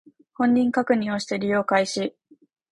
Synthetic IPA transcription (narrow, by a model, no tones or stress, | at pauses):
hõ̞ɲ̟ːĩŋkakɯ̟ɲ̟ĩo̞ɕi̥t̪e̞ɾʲijo̞ːkaiɕi